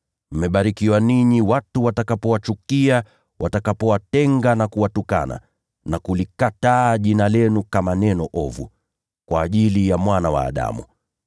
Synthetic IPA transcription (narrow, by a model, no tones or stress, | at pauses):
m̩mɛɓaɾikiwaniɲiwatuwatakapɔwat͡ʃukia | wʔatakapɔwatɛŋɡanakuwatuka̰na̰ | nakulikataːʄinalɛnukamanɛnɔʔɔvṵ | kwaːʄilijamwanawa̰ːɗa̰mṵ